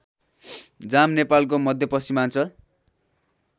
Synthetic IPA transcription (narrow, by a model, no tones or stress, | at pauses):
d͡zamnepalkomʌd̪ʱjʌpʌsimant͡sʰʌ